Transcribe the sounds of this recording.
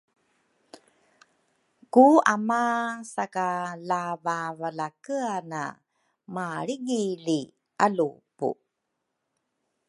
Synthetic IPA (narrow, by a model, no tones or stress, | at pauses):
kuamasakalavavalakəana̰ | maɭiɡili | ʔalupṵ